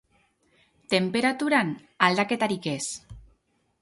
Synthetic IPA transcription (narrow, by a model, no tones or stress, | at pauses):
t̪empeɾat̪uɾan | ald̪aket̪aɾikes